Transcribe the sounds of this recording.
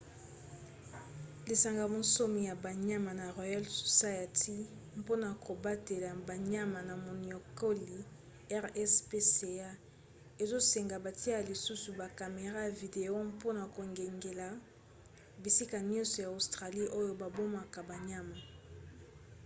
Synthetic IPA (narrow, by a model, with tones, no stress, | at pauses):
li˨sa˨ŋɡa˨mo˦nso˦mi˨ja˨ba˨ɲa˦ma˨na˨ʁo˨ja˦lsu̥˨sa˦ja˨tʰi˦mpo˦na˨ko˨ba˦te˨la˨ba˨ɲa˦ma˨na˨mo˨n˨o˨kɔ˦li˨ | ɛ˦ʁɛ˦spe˦se˨a˦ | e˨zo˦se˨ŋɡa˨ba˨ti˦a˦a˨li˨su˦su˨ba˨ka˨me˨ʁa˦jvi˨de˨o˦po˦na˨ko˨ŋɡe˨ŋɡe˨la˨ | bi˨si˦ka˨njɔ̃˦nsɔ˨ja˨o˨stʁa˨li˦ʔo˦jo˨ba˨bo˦ma˨ka˨ba˨ɲa˦ma˨